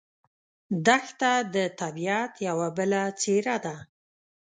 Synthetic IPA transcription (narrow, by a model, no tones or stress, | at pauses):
d̪axt̪ad̪ət̪abiat̪jawabəlat͡seɾad̪a